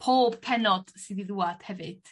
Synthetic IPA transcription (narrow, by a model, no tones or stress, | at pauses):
pʰoːb̥kʰɛnɔd̥sɨdiðuːad̥hɛvɨd̥